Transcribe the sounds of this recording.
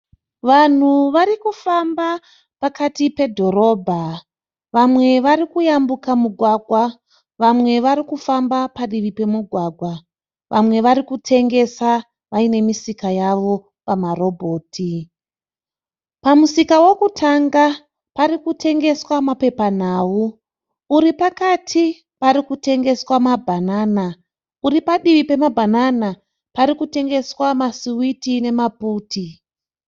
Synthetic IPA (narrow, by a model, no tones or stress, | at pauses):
ʋan̤uʋaɾikufamba | pakatipe̞dʱo̞ɾo̞ːbʱa | ʋamwe̞ʋaɾikujambukamuɡʱwaɡʱwa | ʋamwe̞ʋaɾikufambapaɗiʋipe̞muɡʱwaɡʱwa | ʋʔamwe̞ʋaɾikutʰe̞ŋɡe̞sa | ʋaine̞misikajaʋo̞ | pamaro̞bʱo̞ːtʰi | pamusikawo̞kutʰaŋɡa | paɾikute̞ŋɡe̞swamape̞pan̤aːwuː | ɾipakatʰi | paɾikute̞ŋɡe̞swamabʱanaːna | uripaɗiʋipe̞mabʱanana | paɾikute̞ŋɡe̞swamasiwitine̞mapuːtʰi